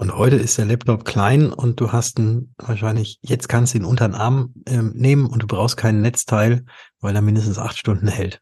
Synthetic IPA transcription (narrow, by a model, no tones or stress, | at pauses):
ʔʊnthɔʏtəɪstd̥eːɐlɛptʰɔpkʰl̥aɪnʊnt̚d̥uːhastnvaːɐʃaɪnlɪçjɛt͡stkʰanstd̥udeːnʔʊntɐʁənʔaɐmʔɛːmneːmənʊnt̚d̥uːbʁaʊxst̚kʰaɪnənːɛt͡stʰaɪlvaɪldeːɐmɪndəs̬tn̩sʔa̰χtʃtʊndn̩hɛlt